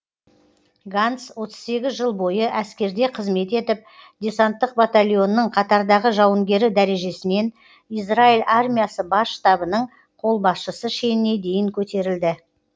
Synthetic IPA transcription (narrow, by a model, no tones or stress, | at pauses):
ɡant̪swo̞t̪ə̥z̥se̞ɡʲɪzʒəlˠbo̞jəʔæskʲe̞ɾd̪e̞qʰəzme̞t̪e̞t̪ɪp̚d̪ʲe̞sant̪ːəq̚bat̪alʲijo̞nːəɴqʰɑt̪ɑɾd̪ɑʁəʒɑwəŋɡʲe̞ɾɪd̪æɾe̞ʒe̞sɪne̞n | izrailʲarmʲijasəbɑsːt̪ɑbənəɴ | qʰo̞lˠbɑsʃəsəʃe̞nɪne̞d̪e̞jɪŋkʲʰɵt̪e̞ɾɪld̪ɪ